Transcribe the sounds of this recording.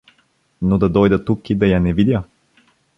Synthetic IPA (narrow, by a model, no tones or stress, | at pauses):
nod̪ɐd̪ɔjd̪ɐt̪ukid̪ɐjanɛvid̪ʲjə